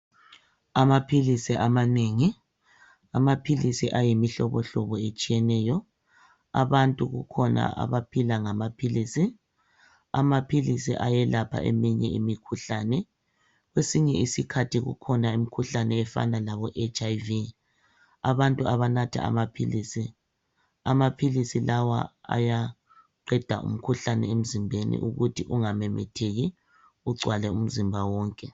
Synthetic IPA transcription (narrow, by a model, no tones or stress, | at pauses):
amapʰilisiʔamaneːŋi | amapʰilisiʔajimiɬɔβɔɬɔβɔet͡ʃʼijɛnɛjɔ | a̰βantʼuɣukʰɔna̰ʔa̰βapʰilaŋamapʰiliːsi | a̰mapʰilisḭʔajɛlapʰa̰ʔɛ̰miɲɛ̰ḭmikʰuɬanɛ | ɣwesiɲɛisikʰatʰiɣṵkʰɔnaim̩kʰuɬanɛːfa̰nalaβɔʔet͡ʃʰʼajvi | aβantʼuaβanatʰa̰a̰mapʰilisi | a̰mapʰilisilawa̰a̰ja | ǃɛd̥ʱaʔṵm̩kʰuɬanɛ̰em̩zimbʱenḭʔuɣutʰiʔuŋamɛmɛ̰tʰeɣi | uɡ͡ǀʱwalɛum̩zimbʱawɔːŋkʼɛ